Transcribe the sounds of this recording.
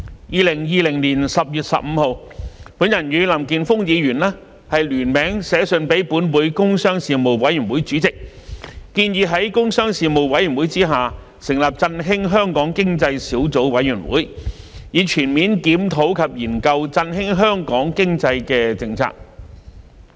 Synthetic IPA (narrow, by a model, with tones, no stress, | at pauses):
jiː˧lɪ˨˩ŋjiː˧lɪ˨˩ŋliː˨˩nsɐ˨p̚jyː˨˩t̚sɐ̰˨p̚m̩˨˧ho˨˧w | puː˨˥njɐ˨˩njyː˨˧lɐ˨˩mkiː˨nfʊ˥ŋjiː˨˧ɥyː˨˩nlɛː˥ | hɐ˨jlyː˨˩nmɛː˨˥ŋsɛː˨˧˥sɵ˨˧npe˨˥jpuː˨˥nwuː˨˧jkʊ˥ŋsœː˥ŋsiː˨mo˨˩wwɐ˨˥jyː˨˩wuː˨˥jt͡syː˨˥t͡sɪ˨k̚kiː˧njiː˨˧ɦɐ˨˥jkʊ˥ŋsœː˥ŋsiː˨mo˨wwɐ˨˧˥jy˨˩nwuː˨˥jt͡siː˥ɦaː˨ | sɪ˨˩ŋlɐː˨p̚t͡sɐ˧nɦɪ˥ŋɦœː˥ŋkɔː˨˥ŋkɪ˥ŋt͡sɐ˧jsiː˨˥wt͡so˨˥wwɐ˨˥jɥyː˨˩nwṵː˨˥j | jiː˨˧t͡ʃʰyː˨˩nmiː˨˥nkiː˨˥mt̪ʰo˨˥wkʰɐ˨p̚jiː˨˩nkɐ˧wt͡sɐ˧nɦɪ˥ŋɦœː˥ŋkɔː˨˥ŋkɪ˥ŋt͡sɐ˧jkɛː˧t͡sɪ˨˧ŋt͡sʰa̰ː˨k̚